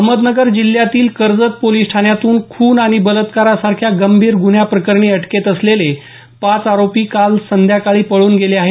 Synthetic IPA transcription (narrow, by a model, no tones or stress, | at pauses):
əɦməd̪nəɡəɾd͡ʑil̤ːjat̪iːlkəɾd͡zət̪̚poliːsʈʰanjat̪uːnkʰuːnaɽ̃ibələt̪kaɾasaɾkʰjaɡəmbʱiːɾɡuɳjapɾəkəɾɳiəʈket̪əslele | pat͡saɾopiːkalsənd̪ʱjakaɭiːpəɭuːnɡeleaɦe